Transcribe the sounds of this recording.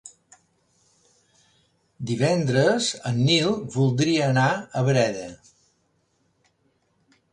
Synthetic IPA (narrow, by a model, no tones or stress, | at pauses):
d̪iβɛnd̪ɾəzənːilˠβulˠd̪ɾiəːnaəβɾɛðə